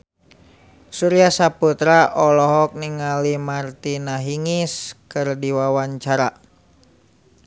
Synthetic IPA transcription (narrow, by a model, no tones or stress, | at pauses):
suɾiasaput̪ɾaʔɔlɔɦɔk̚niŋalimart̪inaɦiŋiskɨrdiwawaɲt͡ʃaɾa